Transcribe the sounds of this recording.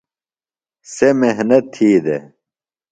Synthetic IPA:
semeɦnɐt̪ʰːiːd̪ḛ

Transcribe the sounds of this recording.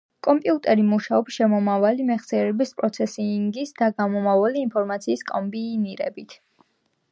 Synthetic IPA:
kʼɔmpʼiut̪ʼɛɾimuʃaɔpsʃɛmɔmavalimɛχsɛɛɾɛbispʼɾɔt̪sʰɛsiːŋɡisd̪aɡamɔmavaliːnpʰɔɾmat̪sʰiːskʼɔmbiniɾɛbit̪ʰ

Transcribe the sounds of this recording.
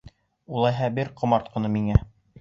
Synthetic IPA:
ulˠɑjɦɑbiɾqʰŏmɑɾt̪̚qʰŏnɤmiŋæ

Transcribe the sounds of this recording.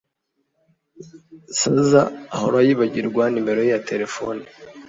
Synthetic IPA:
sazaːhoɾajiβaɟiɾɡwanime̞ɾo̞jate̞ɾe̞fo̞ni

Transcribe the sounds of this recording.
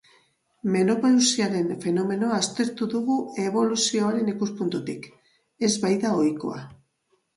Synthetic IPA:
me̞no̞polusiaɾe̞nfe̞no̞me̞no̞ast̪e̞ɾt̪uðuɣue̞β̞o̞lusio̞aɾe̞nikuspunt̪ut̪ik | e̞zβajðao̞jko̞̰a

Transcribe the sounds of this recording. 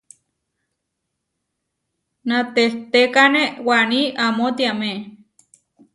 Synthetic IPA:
nat̪eht̪ekanewaniamot̪iame

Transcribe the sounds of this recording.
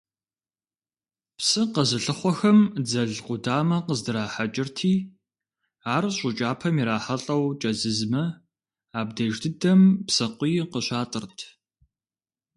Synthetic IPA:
psɨqəzɨɬɨχʷɔxɐmd͡zɐɮqʷʊdaːmɐqəzdɨɾaːħat͡ʃʼɪrtʰiː | aːrɕʷʼʊt͡ʃʼaːpʰɐmiɾaːħɐɬʼɐwt͡ʃʼɐzɨzmɐ | aːb̚dɐʒdɨdɐmpsɐqʷʊjqəɕaːtʼɨrtʰ

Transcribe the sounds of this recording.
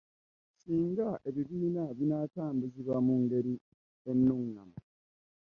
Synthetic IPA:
siːŋɡaʔe̞βiβiːnaβinaːtaːmbuziβwamuŋɡe̞ɾi | enːuŋːa̰mu

